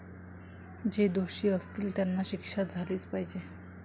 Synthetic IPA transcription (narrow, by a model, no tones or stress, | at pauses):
d͡ʑed̪oɕiːəst̪iːlt̪janːaɕikʂat̪̚d͡zʱaliːt͡spaɦid͡ʑe